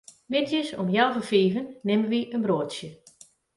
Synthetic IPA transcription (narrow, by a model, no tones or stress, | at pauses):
mɪtjəsɔmjawvəfiːvənːɪməʋiʔənbroətsjə